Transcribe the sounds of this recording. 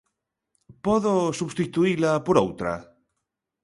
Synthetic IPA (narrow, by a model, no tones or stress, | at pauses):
pɔðosuβst̪it̪uilapoɾowt̪ɾa̰